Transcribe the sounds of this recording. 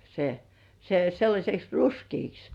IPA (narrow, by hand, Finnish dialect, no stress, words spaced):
se se selːɑsʲeks ruskiːks